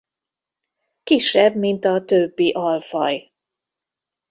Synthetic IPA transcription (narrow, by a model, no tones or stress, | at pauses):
kiʃːɛbmint̪ɒt̪øbːiʔɒlfɒ̰j